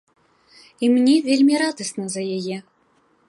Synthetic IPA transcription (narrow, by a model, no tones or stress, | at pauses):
imnʲɛvʲelʲmʲiɾad̪ɐsnɐzɐjajɛ